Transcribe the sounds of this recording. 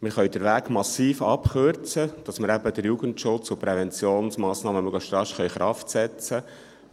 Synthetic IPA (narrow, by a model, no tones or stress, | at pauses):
mɪχœɥdəɾʋæːɡmɑsiːfɑpχøɾt͡səd̥ɑsməɾæbəd̥̪əɾjuɡəntʃʊt͡sʊpɾɛvɛnt͡sjoːnsmɑːsnɑːməmʉɡləʃtɾɑʃχœɥχɾʔɑftsɛt͡sə